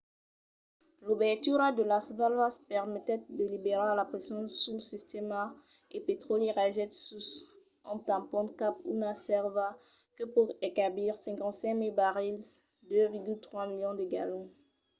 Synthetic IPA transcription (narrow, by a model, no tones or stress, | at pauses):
lobɛʁt̪yɾad̪əlasvalvaspɛʁmɛt̪ɛd̪əlibeʁaalapχesjɔ̃suləsist̪ema | epet̪χoliʁaʒɛt̪sus | ɑ̃t̪ãpɔ̃t̪kapṵnasɛʁva | kəpuʁekabliʁsɛ̃ŋkɑ̃t̪sɛ̃milbaʁil | d̪øviʁɡylt̪χwamiljɔ̃d̪əɡa̰lõ